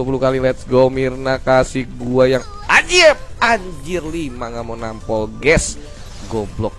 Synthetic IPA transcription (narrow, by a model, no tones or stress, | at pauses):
p̬ulukalilɛt̪sɡomirnakasiɡuajaŋad͡ʒiaaɲd͡ʒirlimaŋamonampɔlɡɛs | ɡɔblɔk̚